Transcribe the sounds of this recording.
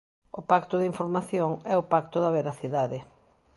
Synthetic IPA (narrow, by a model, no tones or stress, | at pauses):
ʊpakt̪ʊðiɱfoɾmaθjoŋɛʊpak̚t̪ʊðɐβeɾaθiðaðɪ